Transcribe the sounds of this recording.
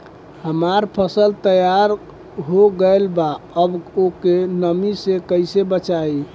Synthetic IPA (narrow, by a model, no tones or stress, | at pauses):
həmaɾpʰəsəlt̪əjaɾ | ɦoɡəelbaəbokenəmisekəɪsebət͡ʃai